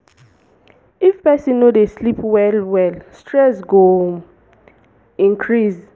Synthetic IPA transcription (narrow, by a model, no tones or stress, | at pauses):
ifpʰɛsĩnːodeslipʰwɛlwɛlstʰɹɛsɡo | ĩŋkʰɹis